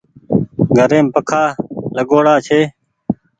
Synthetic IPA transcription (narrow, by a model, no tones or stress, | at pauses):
ɡʱəɾeːmpəkʰaːləɠoːɽaːt͡ʃʰeː